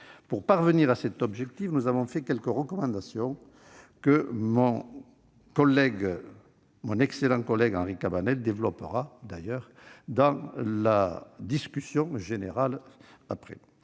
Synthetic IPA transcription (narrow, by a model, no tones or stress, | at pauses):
puʁpaʁvəniʁasɛt̪ɔbʒɛk̚t̪ifnuzavɔ̃fɛkʲɛlkəʁəkɔmɑ̃d̪asjɔ̃ | kəmɔ̃ | kɔlɛɡ | mɔ̃nɛkselɑ̃kɔlɛɡɑ̰̃ʁikabanɛld̪evlɔpə̰ʁad̪ajœʁ | d̪ɑ̃lad̪iskʲysjɔ̃ʒeneʁalapχɛ̰